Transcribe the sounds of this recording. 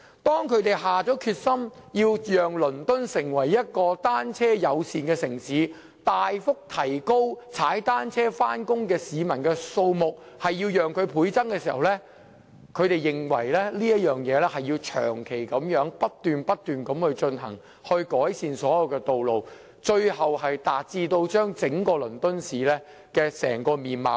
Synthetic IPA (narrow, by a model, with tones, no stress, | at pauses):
t̪ɔː˥ŋkʰɵ˧ɥt̪e˨jɦaː˨t͡sɔː˨˥kʰyː˧t̚sɐ˥mjiː˧wjœː˨ŋlɵ˨˩nt̪ɵ˥nsɪ˨˩ŋwɐ˨˩jːɐ˥t̚kɔː˧t̪aː˥nt͡sʰɛː˥jɐ˨˧wsiː˨nkɛː˧sɪ˨˩ŋsiː˨˥ | t̪aː˨jfʊ˥k̚t̪ʰɐ˨˩jko˥wt͡sʰaː˨˥jt̪aː˥nt͡sʰɛː˥faː˥nkʊ˥ŋkɛː˧siː˨˧mɐ˨˩nkɛː˧so˧wmʊ˨k̚ | hɐ˨jːiː˧wjœː˨ŋkʰɵ˨˧ɥpʰuː˨˥jt͡sɐ˥ŋkɛː˧siː˨˩hɐ˨wlɛː˥ | kʰɵ˨˧ɥt̪e˨jːɪ˨˩ŋwɐ̰˨˩jlɛː˥liː˥jɐ˥t̚jœː˨˩ŋjɛː˨˧lɛː˥hɐ˨jiː˧wt͡ʃʰœ̰ː˨˩ŋkʰe˨˩jkɐ˨˥mjœː˨˥ŋpɐ˥t̚t̪yː˨npɐ˥t̚t̪ːyː˨nkɐ˨˥mhɵ˧ɥt͡ʃɵ˧nɦɐ̰˨˩ŋ | hɵ˧ɥkɔː˨˥jsiː˧nsɔː˨˥jɐ˨˧wkɛː˧t̪o˨wlo˨w | t͡ʃɵ˧ɥhɐ˨whɐ˨jt̪aː˨t̚t͡siː˧t̪o˧wt͡ʃœː˥ŋt͡sɪ˨˥ŋkɔː˧lɵ˨˩nt̪ɵ˥nsiː˨˥lɛː˥ | kɛː˧sɛ̰ː˨˩ŋkɔː˧miː˨nma̰ː˨˩